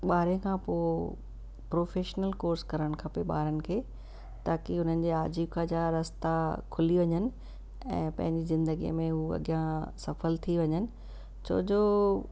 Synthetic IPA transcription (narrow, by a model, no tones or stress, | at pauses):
ɓaːɾẽkʰãːpoː | pɾoːfeːʃnəlkoːɾskɐɾəɽ̃kʰɐpeɓaːɾənɪ̆kʰeː | t̪aːkiʊn̤ənɪ̆d͡ʑeːaːd͡ʑiːbkʰãd͡ʑaɾɐst̪akʰʊliʋɐɲənɪ̆ | ɛ̰̃ːpɐ̃ɦɪ̃ɲd͡ʑizɪ̃nd̪əɡijə̰mẽɦuɐ̰ɡjãsɐfəlt̪ʰiʋɐɲənɪ̆ | t͡ɕʰo̰ːd͡ʑoː